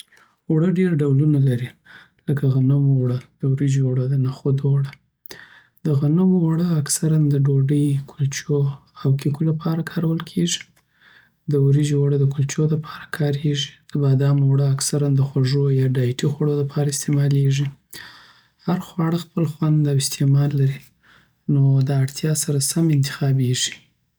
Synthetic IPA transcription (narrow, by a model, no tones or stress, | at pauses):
wɽəɖeɾaɖawlunalaɾi | ləkaɣanəmowɽəd̪̥əwɾid͡ʒoɽəd̪ənaxod̪oɽə | d̪əɣanəmowaɽəaksaɾand̪əɖoɖəjkʰʊlt͡ʃoawkikulapʰɑɾakʰɑɾawəlkʰeʒi̥ | d̪əuɾid͡ʒwaɽəd̪əkult͡ʃod̪apʰɑ̥ɾḁkʰɑɾeʒi̥d̪̥əbad̪ɑmowɽəaksaɾand̪əxwaʐojɑɖɑjʈixwaɽolapʰɑɾaɪst̪emɑleʐi | haɾxwɑɽəxpəlxwand̪awɪst̪emɑlːaɾi | nod̪ɑaɽt̪ʰjɑsaɾasamɪnt̪ɪ̥xɑbeʒi̥